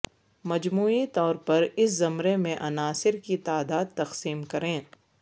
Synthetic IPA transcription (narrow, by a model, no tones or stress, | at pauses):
mɐd͡ʒmuːit̪ɔːɾpɐɾɪszɐmɾemẽʔɐnaːsɪɾkit̪aːd̪aːd̪̚t̪ɐqsiːmkɐɾẽː